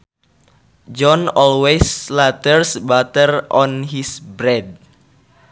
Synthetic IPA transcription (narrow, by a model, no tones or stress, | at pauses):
d͡ʒɔnɔlweslat̪ərsbat̪ərʔɔnɦisbɾɛd̚